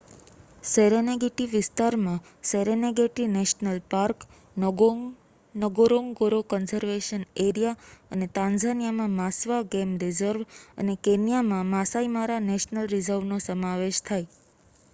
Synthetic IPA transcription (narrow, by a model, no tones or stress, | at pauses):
seɾeneɡeʈiʋɪst̪aɾmã | seɾeneɡeʈineʃnəlpaɾk | nəɡoɾoŋɡoɾokɔnsəɾʋeʃəneɾijaənet̪ãnzanijamãmasʋaɡemɾɪzəɾʋə̰nekenijamãmasaimaɾaneʃnəlɾɪzəɾʋnosəmaʋeʃt̪ʰaj